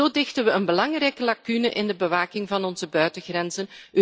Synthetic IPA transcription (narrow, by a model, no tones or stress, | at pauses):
oːdɪxtənʋəənbəlɑŋrɛjkəlakynəʔɪndəbəʋaːkɪŋvɑnɔnzəbœɥtəɣrɛnzənø